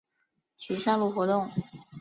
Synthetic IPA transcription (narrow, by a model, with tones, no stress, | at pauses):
t͡ɕʰi˧˥ʂɑ˥˧lu˥˩xwɔ˧˥t̪ʊ˥˩ŋ